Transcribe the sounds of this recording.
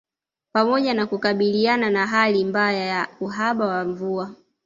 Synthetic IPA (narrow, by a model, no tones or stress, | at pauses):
pamɔʄanakukaɓiliananaɦalimbajajauɦaɓawaɱvua